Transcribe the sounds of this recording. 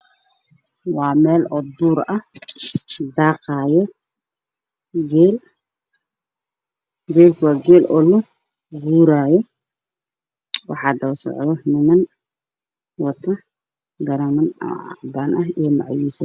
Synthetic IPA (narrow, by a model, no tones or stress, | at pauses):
wɑːmɛːlɔd̪uːɾɐh | d̪aːqɑːjɔ | ɡɛːl | ɡɛːlkʰwaːɡɛːlʔɔlʊ | ɡuːɾaːjɔ | wɑ̰ħɑːd̪ɐwsɔ̰ʕd̪ɐmɪmɐn | wɐt̪ʰːɐ | ɡɐɾɐmɐn̰b̪aːnʔɐɦijɔmɑ̰ʕjisɐ